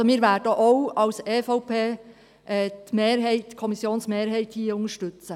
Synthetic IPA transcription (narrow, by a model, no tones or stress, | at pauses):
omiːɾʋæːɾdəʔowɑwseːfɔʊpʰeː | ʔɛːtmeːɾɦɛɪtkʰɔmisjoːnsmeːɾɦɛɪthiːəʊŋəʃtʏt͡sə